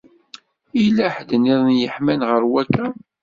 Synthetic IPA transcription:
ilæħd̪niðˤənjəħmænʁəɾwækːæ

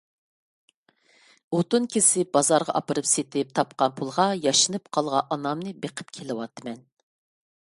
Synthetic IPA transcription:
ot̪unkʲʰesɪb̥ɑzɑɾʁɑ̰ʔɑpɨɾɨpset̪ʰɪp̚t̪ʰɑp̚qɑnpʰulˠʁɑjɑʃɨnɨp̚qʰɑlˠʁɑʔɑnɑmnɨbeqʰɨ̥p̚kʲʰelɨwɑt̪ʰːɨmɛn

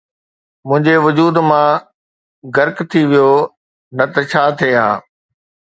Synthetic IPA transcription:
mʊ̃ɦɪ̃ɲd͡ʑeʋʊd͡ʑuːd̪mã | ɡɐɾkt̪ʰiʋijo | nɐt̪ɐt͡ɕʰaːt̪ʰeɦã̰ː

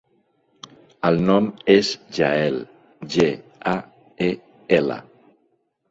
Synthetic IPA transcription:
əlˠnɔmezʒaɛl | ʒea | e | elə̰

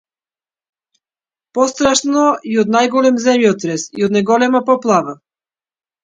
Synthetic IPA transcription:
pɔst̪ɾaʃnɔiod̪najɡɔlɛmzɛmjɔt̪ɾɛsiod̪najɡɔlɛmapɔplˠava

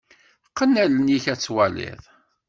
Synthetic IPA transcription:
qːənːælənjiçæt͡sːwælɪ̰ðˤ

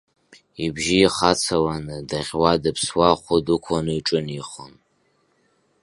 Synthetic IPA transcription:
ibʒiːχat͡sʰawanɨdaʁʲwadɨpʰswaχʷʊdukʷʰanɨiʈ͡ʂʼɨniχən

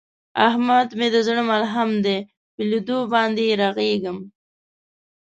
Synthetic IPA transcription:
a̰hmad̪med̪əzɳəmalɦamd̪e | pəlud̪obɑnd̪eɾaɣeɡəm

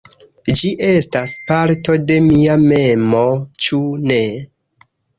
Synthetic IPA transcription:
d͡ʒiʔe̞staspaɾto̞de̞miame̞mo̞t͡ʃune̞

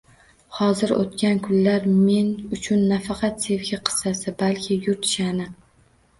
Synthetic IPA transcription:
hɒzɪɾo̰t̪kʲankʰʊnlaɾme̞nʊt͡ʃʰʊnːafɑqʰɑt̪se̞vɡʲɪqʰɨ̥sːasɪbalkʲʰɪjʊɾt̪ɪ̥ʃanɪ

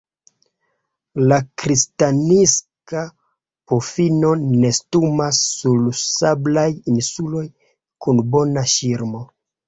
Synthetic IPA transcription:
lakɾistaniska | pofino̞ne̞stumasːulsablajinsulo̞j | kunbo̞naʃiɾmo̞

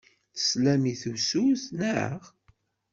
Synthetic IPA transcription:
θə̥slæmiθusuθnəʕə̰ʁ

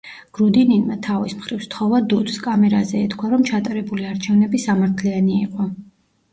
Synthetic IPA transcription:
ɡ̥ɾud̪ininmat̪ʰavismχɾivst̪ʰχɔvad̪ut̪skʼamɛɾazɛːt̪ʰkʰwaɾɔmt͡ʃʰat̪ʼaɾɛbuliaɾt͡ʃʰɛvnɛbisamaɾt̪ʰlianiːqʼɔ

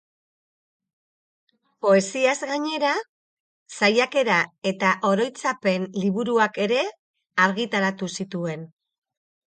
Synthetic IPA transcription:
po̞e̞siazɣaɲe̞ɾa | sajake̞ɾae̞t̪aʔo̞ɾo̞jt͡sape̞nliβ̞uɾuake̞ɾe̞ | aɾɣit̪aɾat̪usit̪ue̞n

